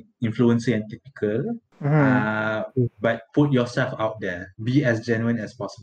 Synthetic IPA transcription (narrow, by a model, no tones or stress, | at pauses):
ĩnfluə̃nsĩŋɛ̃ntɛk̚nikʰəl | bat̚put̚jɔsɛlfaʊt̚dɛbiɛs̬d͡ʒɛnuə̃nɛspɔsəbə